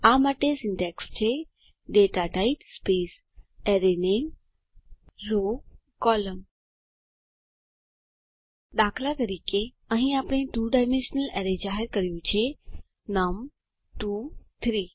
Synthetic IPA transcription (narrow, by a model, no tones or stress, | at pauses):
amaʈesɪɳɖekst͡ʃʰe | ɖeʈaʈaiʈspeːs | eɾenen | ɾo | kɔləm | ɗ̪akʰlat̪əɾiːke | əɦĩaːpɽ̃ẽʈuːɖajmẽnʃənəleɾed͡ʒaɦeɾkəɾijũt͡ʃʰie | nam | ʈuːt̪ʰɾiː